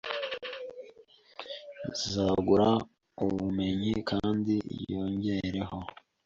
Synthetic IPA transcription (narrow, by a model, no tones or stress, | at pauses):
zaɡuɾa | uβume̞ɲikʰaːndḭjo̞ːɲɟe̞ɾe̞ho̞